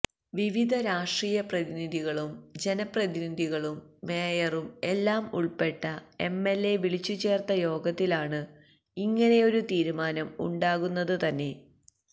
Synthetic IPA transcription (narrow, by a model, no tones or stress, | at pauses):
ʋiʋid̪ʱɐɾaːʂʈriːjɐprɐðiniðʱiɣɐɭumd͡ʑe̞nɐprɐðinid̪ʱiɣɐɭumːe̞ːjɐrume̞lːaːmṵɭpe̞ʈːɐe̞mːe̞lːe̞ʋiɭit͡ɕːut͡ɕe̞ːrt̪ɐjo̞ːɡɐt̪ːilaːɳɨ | iŋːɐne̞jo̞ɾut̪iːɾumaːnɐmṵɳɖaːɣunːɐðɨt̪ɐnːe̞